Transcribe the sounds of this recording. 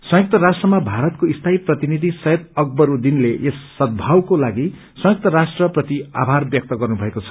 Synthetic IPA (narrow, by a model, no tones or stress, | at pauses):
sʌ̃jʌk̚t̪ʌɾasʈrʌmabʱaɾʌt̪̚koist̪ʰaiprʌt̪inid̪ʱisʌjet̪ʌɡ̚bʌɾud̪inleʔesːʌd̪̚bʱawkolaɡi | sʌ̃jʌk̚t̪ʌɾasʈrʌprʌt̪ia̰bʱarbjʌk̚t̪ʌɡʌrnubʱʌekot͡sʰʌ̥